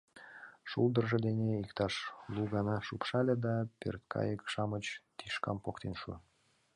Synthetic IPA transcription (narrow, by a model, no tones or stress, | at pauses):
ʃulˠd̪ərʒĕd̪eneikt̪ɑʃluɣɑnɑʃupʃɑlʲed̪ɑpø̰rt̪kʰɑ̰jəkʃɑmət͡ɕt̪iʃkɑmpokt̪enʃṵ